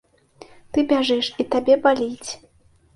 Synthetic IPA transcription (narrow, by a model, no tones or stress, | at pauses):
t̪ɨbʲaʐɨʂit̪abʲɛbalʲit͡sʲ